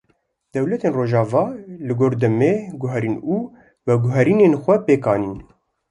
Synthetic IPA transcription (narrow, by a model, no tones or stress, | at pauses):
d̪̥ɛwlɛt̪eːnroːʒɑːvɑːlɨɡoːɾd̪ɨmeːɡʊɦɛɾiːnuː | vɛɡʊɦɛɾiːneːnxʷɛpeːkɑːniːn